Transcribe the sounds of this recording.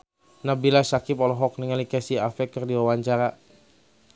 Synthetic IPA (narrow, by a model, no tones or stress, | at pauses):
nabilasakipɔlɔɦɔk̚niŋalikɛsiafɛkərdiwawaɲt͡ʃaɾa